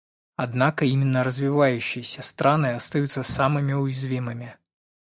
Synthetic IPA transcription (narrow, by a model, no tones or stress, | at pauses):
ad̪nakɐimʲinːɐɾɐzʲvʲivajuɕːijɐsʲɐst̪ɾanɨɐst̪ajut̪sːɐsamɨmʲiujzʲvʲimɨmʲi